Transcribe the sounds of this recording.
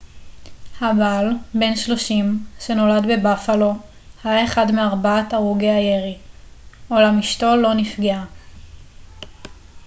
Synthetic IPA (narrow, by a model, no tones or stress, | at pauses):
habalbe̞nʃlo̞ʃimʃe̞no̞ladbe̞bafalo̞ | hajaeχadmeaʁbaataʁuɡeajeʁi | ʔolamiʃto̞lo̞nifɡea